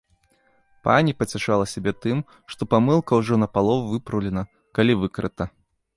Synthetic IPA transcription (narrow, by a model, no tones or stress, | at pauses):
pa̰nʲipɐt͡sʲaʂalˠɐsʲabʲɛt̪ɨm | ʂt̪ɔpamɨlˠkɐwʐɔnɐpalˠɔvuvɨpɾɐwlʲɛnɐ | kalʲivɨkɾɨt̪ɐ